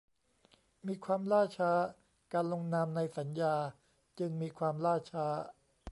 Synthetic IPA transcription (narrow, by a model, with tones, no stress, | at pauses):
miː˧kʰwaː˧mlaː˥˩t͡ɕʰaː˦˥ | kaː˧nlo˧ŋnaː˧mna˧jsa˩˦njaː˧ | t͡ɕɯ˧ŋmiː˧kʰwaː˧mlaː˥˩t͡ɕʰaː˦˥